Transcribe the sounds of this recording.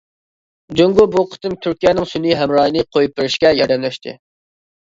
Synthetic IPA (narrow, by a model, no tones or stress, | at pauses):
d͡ʒøŋɡubuqʰə̥t̪ɨmt̪ʰyɾkʲijɛnɪŋsyniɦɛmɾɑːjinɨqʰojup̚bɪɾɪʃkʲɛjɑɾd̪ɛmlɛʃt̪ʰɪ̰